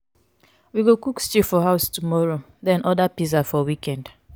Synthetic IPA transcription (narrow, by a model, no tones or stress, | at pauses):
wiɡokukst͡ʃifɔɦaʊstumɔɹo | dɛ̃nʔɔdapizafɔwikɛ̃nd